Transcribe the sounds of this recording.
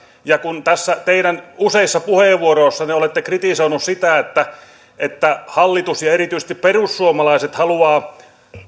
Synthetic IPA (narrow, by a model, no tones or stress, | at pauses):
jɑkunt̪æsːæt̪eiɾænuseisːɑpuheʋʋːuoroːsːɑneolet̪ːekrit̪isoinussit̪æet̪ːæ | et̪ːæhɑlːit̪usjɑeɾit̪yise̥st̪ipperussuomɑlɑiset̪hɑluɑː